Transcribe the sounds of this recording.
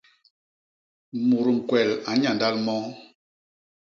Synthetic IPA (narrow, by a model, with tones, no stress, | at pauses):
mu˨ɾu˨ŋ̩˨kwɛ˨la˨˦ɲa˨nda˦lmɔ˦